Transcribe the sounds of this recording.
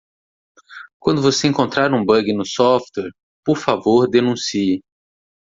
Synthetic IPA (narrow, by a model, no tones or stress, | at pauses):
kwɐ̃nd̪ʊvoseẽŋkõnt̪ɾaɾũbɐ̃ɡɪnʊsɔft̪wɛɾ | poɾfavoɾd̪enũsiɪ